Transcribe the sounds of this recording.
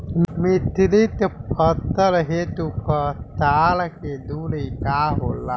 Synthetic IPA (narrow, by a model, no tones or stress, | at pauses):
mmit̪ilit̪pət̪ːəɾɦet̪upət̪aːlked̪uːlikaːɦoːlːa